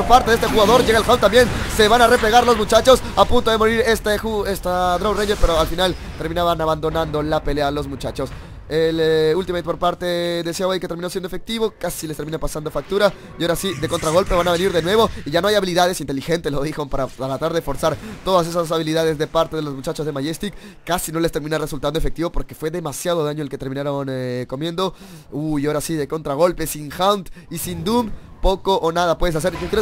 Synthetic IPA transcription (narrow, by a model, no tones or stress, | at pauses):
oɾpaɾt̪eðest̪e̞xuɣaðo̞ɾʝe̞ɣaelxaont̪ambje̞nse̞βanare̞ple̞ɣaɾlo̞zmut͡ʃat͡ʃo̞sapunt̪oðemo̞ɾiɾest̪exuest̪aðɾorejɲeɾpe̞ɾoalfinalt̪e̞ɾminaβanaβand̪o̞nãnd̪o̞lape̞le̞alo̞zmut͡ʃat͡ʃo̞s | elult̪imament̪epoɾpaɾt̪e̞ðe̞sjoejket̪eɾmino̞sjend̪oefek̚t̪iβo̞kasilest̪eminapasand̪o̞fak̚t̪uɾa | jaoɾasiðe̞ko̞nt̪ɾaɣo̞lpe̞βanaβe̞niɾðe̞nwe̞βo̞iʝano̞ajaβiliðað̞e̞sint̪e̞lixe̞nt̪elo̞ðixo̞mpaɾaaɾat̪aɾðe̞fo̞ɾsaɾt̪o̞ðas̬e̞sas̬aβiliðað̞e̞zðe̞paɾt̪e̞ð̞elo̞zmut͡ʃat͡ʃozðe̞maʝest̪ikː | asino̞le̞st̪e̞ɾmĩnare̞sult̪and̪oefe̞k̚t̪iβo̞po̞ɾkefwe̞ðe̞masjað̞o̞ðaɲolket̪e̞ɾmĩnaɾo̞nko̞mje̞nd̪o̞ | uoɾasiðe̞ko̞nt̪ɾaɣ̞o̞lpe̞siŋxawnt̪isind̪umpo̞ko̞ʔːnað̞apwe̞ð̞es̬as̬e̞ɾʝokjɾe